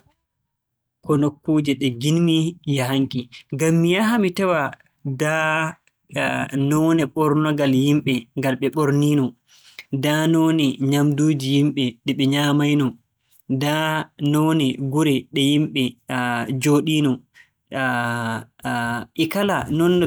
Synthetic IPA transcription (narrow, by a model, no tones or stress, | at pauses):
kɔnokːuːd͡ʒɛɗɛɡinmijaɦaŋkʼiɡamːijaɦamitawa | da | nɔnɛɓɔɾnɔɡaljimɓɛŋɡalɓɛɓoɾniːnɔ | danoːnɛɲamduːd͡ʒijimɓɛɗɛɓɛɲamajnɔ | danɔnɛɡuɾɛɗɛjimɓɛ | d͡ʒoːɗinɔ | ʔikalanɔnː